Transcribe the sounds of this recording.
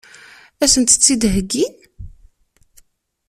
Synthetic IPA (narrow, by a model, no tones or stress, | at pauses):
æsənt̪ə̥t͡sːid̪ɦəɡːi